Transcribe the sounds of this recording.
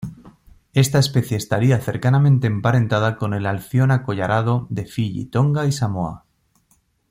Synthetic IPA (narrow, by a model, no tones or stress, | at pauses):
e̞st̪ae̞spe̞θjeːst̪aɾiaθe̞ɾkanamẽ̞nt̪e̞ːmpaɾẽ̞nt̪að̞ako̞ne̞lalθjo̞nako̞ʝaɾʔað̞o̞ðe̞fiʎḭt̪o̞ŋɡaisamoa̰